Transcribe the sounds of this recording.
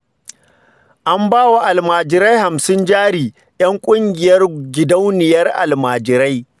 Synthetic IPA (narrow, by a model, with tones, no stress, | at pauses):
ʔa˦mbaː˦wa˨ʔa˨lmaː˨d͡ʒɪ˨ɾa˦jha˨msɪ˦nd͡ʒaː˦ɽiː˨ | j̰ɐ˦ŋkʷʼʊ˦ŋɡʲɪ˨jɐ˦rɡʲɪ˨da˦wnɪ˨jɐ˦rʔa̰˨lmaː˨d͡ʒɪ˨ɾa˦j